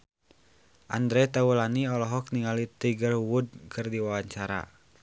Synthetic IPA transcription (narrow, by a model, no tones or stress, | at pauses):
ʔand̪ɾɛt̪aulaniɔlɔɦɔk̚niŋalit̪iɡərwud̚kʰɨrdiwawaɲt͡ʃaɾa̰